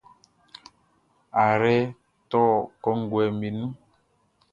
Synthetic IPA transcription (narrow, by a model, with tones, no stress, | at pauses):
a˨ɾɛ˦ | tɔ˦kɔ˦ŋ̩˦ɡwɛ˨mi˨nu˦